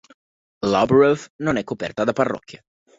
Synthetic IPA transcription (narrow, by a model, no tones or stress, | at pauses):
labɾofnonɛkːopɛ̰rt̪ad̪aparːɔ̰kːje